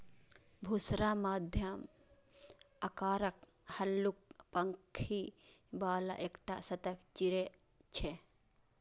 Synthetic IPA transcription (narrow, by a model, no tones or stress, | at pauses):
bʱusɾamaːd̪ʱjəm | əkaːɾək | həlːuk̚pəŋkʰibaːla̰ʔekʈa̰sət̪əkt͡ʃiɾe | t͡ʃʰe